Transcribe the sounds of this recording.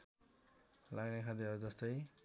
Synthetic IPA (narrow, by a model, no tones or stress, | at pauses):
laɡnekʰad̪iod͡zʌst̪ʌj